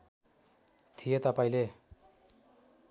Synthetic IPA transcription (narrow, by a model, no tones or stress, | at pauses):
t̪ʰijet̪ʌpaĩle